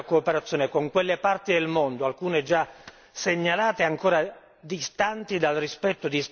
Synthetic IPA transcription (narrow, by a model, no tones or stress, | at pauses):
koːpeɾat̪sːjoːnekoŋkwelːepart̪id̪elmond̪oalkuːned͡ʒa | seɲːalaːt̪eaŋkoːɾa | d̪ist̪ant̪id̪alrispɛt̪ːod̪is